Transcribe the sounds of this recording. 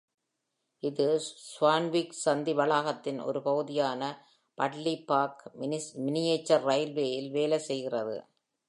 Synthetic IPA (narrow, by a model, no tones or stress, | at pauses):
ʔɪðɯsʋaːnʋiːksɐnd̪iʋɐɭaːɣɐt̪ːɪnɔ̰ɾɯpɐɣɯðɪjaːnɐ | pɐʈlipaːkmɪnɪjeːt͡ʃːɐɾːɐɪlʋeːjɪlʋeːlɐsɛjɣɪrɐðɯ̰